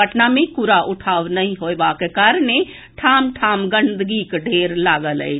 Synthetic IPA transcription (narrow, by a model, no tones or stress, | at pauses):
əʈnamẽkʊɾaʔʊʈʰaːʋnɐɦĩɦoːeʋaːkekaɾne | ʈʰaːmʈʰaːmɡə̃nd̪ɡikɖʱeːɾlaːɡələ̰e